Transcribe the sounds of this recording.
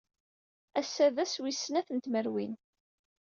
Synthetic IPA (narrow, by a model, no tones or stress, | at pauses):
æsːæðæswisːnæθənt̪məɾwin